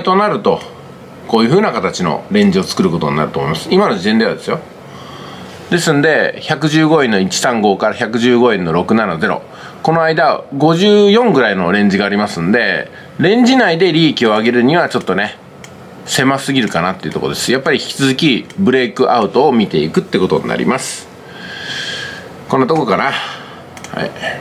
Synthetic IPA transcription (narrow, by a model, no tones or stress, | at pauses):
t̪o̞naɾɯ̟t̪o̞ | ko̞ːjɯ̟ɸɯ̟ːnakat̪at͡ɕino̰ɾẽ̞ɲ̟d͡ʑio̞t͡sɨ̥kɯ̟ɾɯko̞t̪o̞̰ɲ̟ina̰ɾɯ̟t̪o̞ːmoimasɨ̥imano̞ʑid̪ẽ̞nd̪e̞a̰d̪e̞sɨjo̞ | d̪̥e̞sɨ̃nd̪e̞çakɯ̟ʑɨːɡo̞enːo̞it͡ɕi̥sãŋɡo̞ːkaɾaçakɯ̟ʑɨːɡo̞ẽ̞nːo̞ɾo̞kɯ̟nanaze̞ɾo̞̰ | ko̞no̞aid̪aɡo̞ʑɨːjõ̞ŋɡɯ̟ɾaino̞ɾẽ̞ɲ̟d͡ʑiɡaːɾʲimasɨ̃nd̪e̞ | ɾẽ̞ɲ̟d͡ʑinaid̪e̞ɾʲikʲio̞aɡe̞ɾɯ̟ɲ̟iβ̞at͡ɕo̞t̪ːo̞ne̞ | se̞masɨɡʲiɾɯ̟kanat̪ːe̞iɯ̟t̪o̞kod̪e̞sɨ̥japːaɾʲiçi̥kʲi̥t͡sɨzɨkʲibɯ̟ɾe̞ːkɯ̟ʔaɯ̟t̪o̞ːmʲit̪e̞ikɯ̟t̪ːeko̞t̪o̞̰ɲḭna̰ɾʲḭmasɨ̥ | kõ̞nːat̪okokana | ha̰ḭ